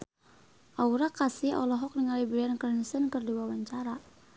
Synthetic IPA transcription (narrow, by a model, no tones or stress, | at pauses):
ʔauɾakasiɔ̰lɔɦɔk̚dəŋalibɾiankərnisənkərdiwawaɲt͡ʃaɾa